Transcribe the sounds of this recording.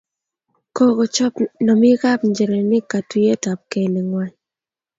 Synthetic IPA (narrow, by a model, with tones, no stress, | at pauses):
ko˦ɡo˨t͡ʃɔ˦pnɔ˨mɪ˦ɣa˦pɲd͡ʒe˨ɾe˨nɪ˦ka˨twi˦e˦ta˨p̚ke˨le˨ŋwa˦ɲ